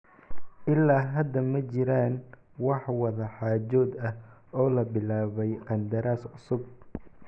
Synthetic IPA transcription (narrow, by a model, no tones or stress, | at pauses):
ʔɪlːaːɦɐd̪ːɐmɐt͡ʃɪɾaːn | wɑħwɐðɐħaːt͡ʃɔːd̪ɐh | ɔːlɐbɪlaːβɛjqɑnd̪ɐɾaːsʕʊsʊb̚